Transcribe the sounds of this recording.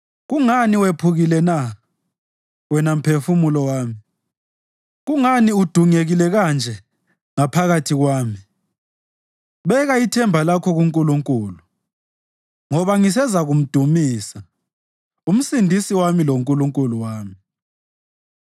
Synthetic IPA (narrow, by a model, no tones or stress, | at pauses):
ɣuŋaniwepʰuɣilɛna | wɛnam̩pʰefumulɔwaːmi | ɣuŋaniud̥ʱuŋeɣilɛɣand͡ʒʱɛ | ŋapʰaɣatʰiɣwaːmi | βɛɣaitʰɛmbʱalakʰɔɣuŋkʼuluŋkʼuːlu | ŋɔβaŋis̬ɛzaɣum̩d̥ʱumiːsa | um̩sindʱisiwamiloŋkʼuluŋkʼuluwaːmi